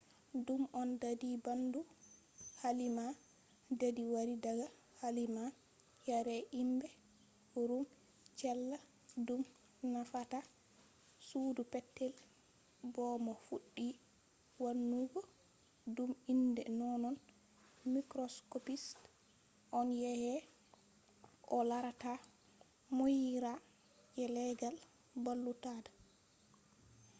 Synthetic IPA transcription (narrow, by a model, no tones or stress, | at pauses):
dumʔɔndadibandu | halima | dadiwaɾidaɡa | halima | jaɾɛʔimbɛ | huɾum | t͡ʃɛlːa | dum | nafata | sudupɛtːɛl | bɔmɔfuɗːi | wanːuɡɔ | dumindɛ̰nɔnɔn | mikɾɔskopist | ʔɔnjɛhɛ | ʔɔlaɾata | mojiɾa | ʔɛlɛɡal | balːutada